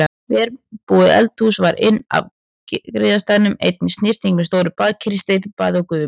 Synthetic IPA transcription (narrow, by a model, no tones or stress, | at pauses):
vɛɾpuːðɪɛ̰lt̪usvaɾʔɪnːa̰v | kɾɪːðast̪aːnʏmḛjt̪̚nɪst̪nɪr̥t̪iŋkmɛðst̪oːwɾʏpaːðcʰɾɪst̪epɪpaːðɔkʏðʏ